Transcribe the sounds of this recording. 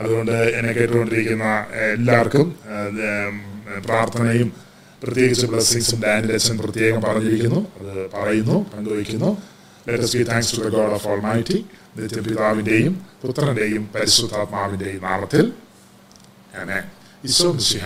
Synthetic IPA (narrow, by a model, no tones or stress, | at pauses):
ɐðuɣo̞ɳɖɨenɐkːeʈːɨkːo̞ɳɖiɾikʲːunːɐelːaːʋɐrkum | praːrt̪ʰɐnɐjum | prɐt̪je̞ːɣit͡ɕːɐpːuɭɐsiŋsɐndaːnɾekt͡ɕɐmprɐt̪je̞ːɣɐmpɐrɐɲːiɾikʲːunːuɐðɨpɐrɐjunːupɐŋɡoːjikʲːunːu | leʈːɐsbiːt̪ʰæːŋkstuðɐɡoːɽofoːlmaːjʈːinit̪jɐpiðaːʋinde̞jumput̪rɐnde̞jumpɐɾisud̪ʱːaːt̪maːʋinde̞jumnaːɭɐt̪ːil | ene | iɕʋɐmiɕiɦɐ